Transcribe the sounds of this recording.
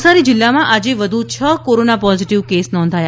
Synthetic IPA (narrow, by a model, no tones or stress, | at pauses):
saɾid͡ʒɪlːamãʔad͡ʒeʋəd̪ʱut͡ʃʰəkoɾonapɔziʈiʋkesnɔ̃nd̪ʱaja